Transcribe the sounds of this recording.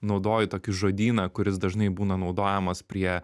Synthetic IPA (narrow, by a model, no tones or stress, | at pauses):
nɒʊd̪oːjɪt̪oːkʲɪʒoːd̪ʲiːnɐkʊɾʲɪs̬d̪ɐʒnɐɪbuːnɐnɒʊd̪oːjɛmɐspʲɾʲiɛ